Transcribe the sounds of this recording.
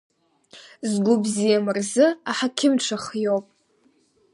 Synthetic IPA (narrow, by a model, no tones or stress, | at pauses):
zɡʷʊbzijamɨrzɨaħakʲʰɪmʈ͡ʂʰaχjowpʼ